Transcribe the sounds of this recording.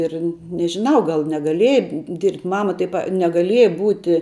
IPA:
ˈɪr nʲɛʒʲɪˈnɐʊ ɡɐlˠ nʲɛɡɐˈlʲiɛjɛ dʲɪrʲpʲtʲ ˈmɑːmɐ tɐɪ pɐ nʲɛɡɐˈlʲiɛjɛ ˈbuːtʲɪ

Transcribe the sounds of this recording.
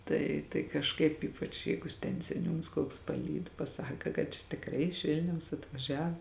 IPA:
ˈtɐɪ tɐɪ kɐʃˈkɐɪp ˈiːpɐt͡ʃ ˈjɛɪɡʊ tʲɛn sʲɛˈnʲuːns koːks pɐˈlʲiːt pɐˈsɑːkɐ kɐt t͡ʃʲɛ tʲɪkˈrɐɪ ɪʃ ˈʋʲɪlʲnʲɛʊs ɐtʋɐˈʒʲɛw

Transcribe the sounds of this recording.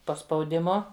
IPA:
poː spɐʊdʲɪˈmʊ

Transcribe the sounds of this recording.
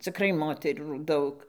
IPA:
t͡sʲɪˈkrɐɪ ˈmoːtʲɛruː ˈdɐʊk

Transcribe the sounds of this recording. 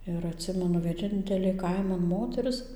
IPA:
ɪr ɐtʲˈsʲɪmʲɛnʊ ʋʲiɛˈnʲɪnʲtʲɛlʲeː ˈkɐɪmɐn ˈmoːtʲɛrʲɪs

